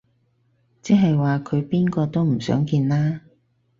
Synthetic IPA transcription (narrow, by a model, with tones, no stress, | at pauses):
t͡sɛː˥ɦɐ˨jwaː˨kʰɵ˨˧ɥpiː˥nkɔː˧t̪o˥wm̩˨˩sœ̰ː˨˥ŋkiː˧nlaː˥